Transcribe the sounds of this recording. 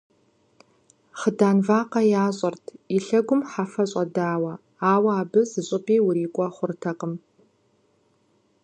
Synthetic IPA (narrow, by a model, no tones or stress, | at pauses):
χədaːnvaːqɐjaːɕʼɐrtʰiɬɐɡʷʊmħafɐɕʼɐdaːwɐ | aːwɐaːbɨzɨɕʼɪpʰʼeːwʊɾiːkʷʼɔχʷʊrtʰɐqəm